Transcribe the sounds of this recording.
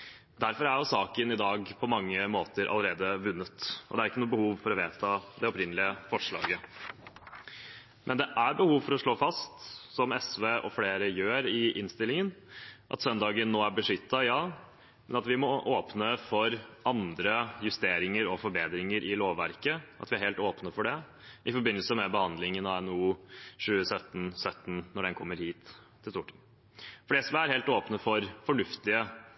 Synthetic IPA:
d̪æɾfɔɾæɾjʊsɑːkənɪd̪ɑːɡpʰɔmɑŋːəmoːt̪əɾʔɑ̰ləɾeːd̪əʋʉnːət̪ʔɔd̪ɛæɾɪkːənːbəhuːʋfɔɾɔʋeːt̪ʰɑːd̪ɛɔpɾɪnəlɪəfɔʂɭɑ̰ːɡə | mʔɛnd̪ɛʔæɾbəhuːʋfɔɾɔʂɭoːfɑst̪sɔmɛsʋeːʔɔfleːɾəjøːɾɪʔɪnst̪ɪlɪŋənʔɑ̰t̪sœnd̪ɑːɡənːoːæɾbəʂʏt̪ːɑjɑː | mɛnɑt̪ʋɪmɔʔoːpnəfɔɾɑnd̪ɾəjʉst̪eːɾɪŋəɾɔfɔɾbeːd̪ɾɪŋəɾʔɪloːʋːæɾkəʔɑt̪ʋɪæɾhɛːlt̪oːpnəfɔɖɛ | ʔɪfɔɾbɪnːəlsəmɛbəhɑnd̪lɪŋənɑɛnuːʂʉːəsœt̪ːn̩sœt̪ːn̩nɔɖɛnkʰɔmːəɾhiːt̪ʰː | ɪlst̪uːʈʰːiː | fɔɖɛsʋɛæɾheːlt̪oːpnəfɔɾfɔɳʉft̪ɪə

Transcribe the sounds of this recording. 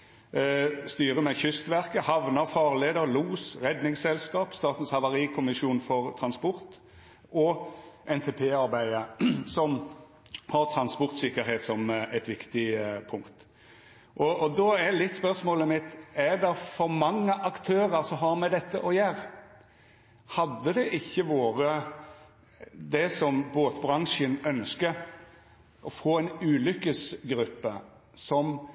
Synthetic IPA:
st̪yːʁəmɛçʏst̪ʋæʁkəhɑʋnəɾfɑːʁleːd̪əɾluːsɾɛd̪nɪŋsɛlskɑːpst̪ɑːt̪n̩shɑʋɑɾiːkʰʊmɪsjuːnfɔʁt̪ʰɾɑnspʊɾt̪ | ɔʔɛnt̪ʰeːpʰeːɑɾbæɪəsɔm | hɑʁt̪ʰɾɑnspʊɾt̪sɪkːəɾheːt̪sɔmæɪt̪ʋɪkt̪ɪpʰʊŋkt̪ | ʔɔʔɔd̪ɔælɪt̪ːspœɾsmoːləmɪt̪ːæd̪ɛfɔɾmɑŋːəʔɑkt̪ʰøːɾəɾsɔɦɑɾmɛd̪ɛt̪ʰːəʔɔjæːɾ | hɑd̪ːəd̪ɛʔɪçːəʋoːɾə | d̪ɛsɔmboːt̪bɾɑŋʃənœnskəɾ | ʔɔfoːɛɪnʉːlʏkːəsɡɾʉpːə | sɔm

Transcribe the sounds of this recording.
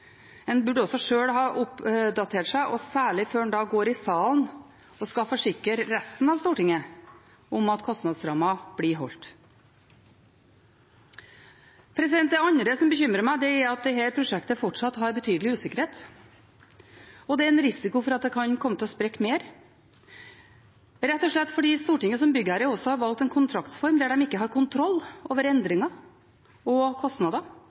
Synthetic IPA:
ɛnbʉɖəɔsɔʂøːɽɦɑːʔʊpd̪ɑt̪ʰeːʈʂæɪʔɔsæːɭɪføːnd̪ɑːɡoːɾɪsɑːln | ɔskɑfɔʂɪkəɾɾæst̪n̩ɑʋst̪uːʈɪŋə | ʊmɑt̪kʰɔst̪nɑd̪sɾɑːmɑb̥ɽiɦɔ̰lt̪ | pʰɾɛsɪd̪ɛnt̪̚d̪ɛɑnɾəsɔmbəçʏmɾəmæɪd̪ɛæɾɑt̪̚d̪ɛɦæɾpʰɾʊʂɛkt̪əfɔʈʂɑt̪hɦɑɾbət̪ʰyːd̪əlɪʉːsɪkəɾheːt̪ | ɔd̪ɛæɾɛnɾɪsɪkʊfɔɾɑt̪̚d̪ɛkʰɑnkʰɔmːət̪ɪɔspɾekːmeːɾ | ɾɛt̪ːɔʂɭɛt̪ːfɔɖiːst̪uːʈɪŋːəsɔmbʏɡəhæɾəɔsɔhɑɾʋɑlk̚t̪ɛnkʰʊnt̪ʰɾɑkt̪sfɔɾmd̪æɖɛmɪkːəɦɑɾkʰʊnt̪ʰɾɔlːo̰ːʋəɾɛnd̪ɾɪŋɑ | ɔkʰɔst̪nɑd̪ɑ

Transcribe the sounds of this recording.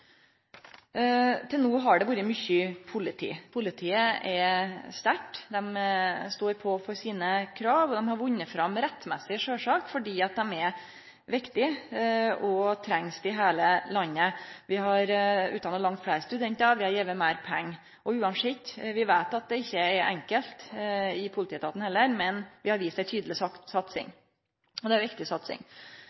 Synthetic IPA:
t̪ʰɪlnuːɦɑɖɛʋuːɾəmʏçəpʰʊlɪt̪ʰḭːpʰʊlɪt̪ʰiːəʔɛst̪æʈːd̪ɛmst̪oːɾpʰɔfɔɾsiːnəkʰɾɑːʋɔd̪ɛmhɑɾʋʊnːəfɾɑmɾɛt̪ːmɛsːɪʂøːʂɑːkfɔɖiːɑt̪̚d̪ɛmɛ | ʋɪkt̪ɪ | ɔt̪ʰɾɛŋsd̪ɪɦeːləlɑnːəʋɪhɑɾʉːt̪ɑnɔːlɑŋt̪flæɪɾəst̪ʉd̪ɛnt̪əʋɪhɑɾjeːʋəmæɪɾpʰɛŋː | ʔɔʉːɑnʂɪkt̪ʋɪʋæɪt̪ɑt̪̚d̪ɛɪçːəɛɾʔɛ̰ŋkəlt̪ɪpʰʊlt̪iːt̪ʰɑːt̪n̩hɛlːəɾmɛnʋɪhɑɾʋiːst̪æɪt̪ʰyːd̪əlɪssɑt̪sɪ̰ŋ | ɔd̪ɛæɾjʋɪkt̪ɪsɑt̪sɪ̰ŋ

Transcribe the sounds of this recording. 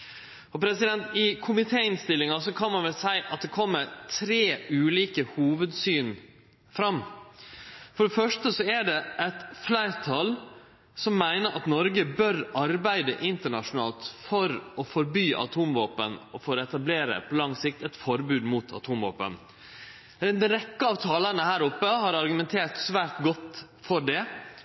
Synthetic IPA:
ɔpʰɾɛsɪd̪ɛnt̪ɪkʰʊmɪt̪ʰeːɪnst̪ɪlːɪŋɑsɔkʰɑnmɑnʋɛlsæɪʔɑt̪̚d̪ɛkʰɔmːəɾʈʰɾeːʉːliːkəhuːʋəd̪syːn | fɾɑmː | fɔɖɛfœʂʈəsɔæɖɛʔɛt̪flæɪɾt̪ʰɑl | sɔmːæɪnəɾʔɑt̪nɔɾɡəbœɾɑɾbæɪd̪əʔɪnt̪əɳɑʂʊnɑ̰ːlt̪fɔɾɔfɔɾbyːʔɑ̰t̪ʰuːmʋoːpənɔfoːɾɛt̪ɑbleːɾə̰pʰɔlɑŋsɪk̚t̪ɛt̪fɔɾbʉːd̪mʊt̪ʰɑ̰t̪ʰuːmʋo̰ːpə̰n | d̪ɛnɾɛkːəɑːʋt̪ʰɑːlənəhæːɾʊpːəhɑɾɑɾɡʉmɛnt̪ʰeːʈsʋæːɾʈɡɔt̪ː | fɔɖɛ

